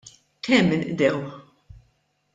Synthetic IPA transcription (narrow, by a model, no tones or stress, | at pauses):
kʰɛmːɪnʔd̪ɛwħ